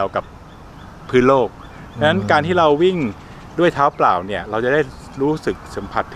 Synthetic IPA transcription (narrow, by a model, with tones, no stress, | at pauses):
ɛ˧wka˨˩p̚ʰː | ɯː˦˥nloː˥˩k̚ʰ | a˧˥na˦˥nkaː˧nt̪ʰiː˥˩ɾa˧wːi˥˩ŋ | du˥˩əjt̪ʰaː˦˥wplaː˨˩wni˥˩ɐɾa˧wt͡ɕa˨˩da˥˩j | ɾuː˦˥sɯ˨˩k̚sa˩˦mpʰa˨˩t̪ʰː